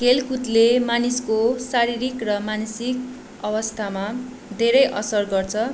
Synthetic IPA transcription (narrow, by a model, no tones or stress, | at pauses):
ɡelkut̪lemaniskosaɾiɾikrʌmansik̚ | ʌwʌst̪ʰama | d̪ʱeɾʌjʔʌsʌrɡʌrt͡sʰʌ